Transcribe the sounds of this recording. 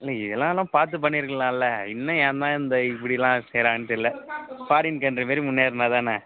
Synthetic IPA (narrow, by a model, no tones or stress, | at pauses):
ɪlːɐɪðɛlːãːlːãːpaːɾt̪̬ɯp̬ɐɳːiɾɯkːɐɭãːɪlːɐɪnːɐjaːnd̪ãːɪnd̪ɐɪpːɐɽɪɛlːãːsɛjɾãːŋt̪ɪlːɐpaːɽɪnkɐndɾɐmeːɾimʊnːeːɾɯnaːt̪ãːnɐ